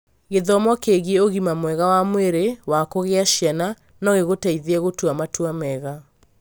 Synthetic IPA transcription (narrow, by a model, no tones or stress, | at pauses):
ɣeðɔmɔkeɣieoɣimamwɛɣawamweɾewakoɣeaɕiana | nɔɣeɣotaiðeɛɣotwamatwamɛɣa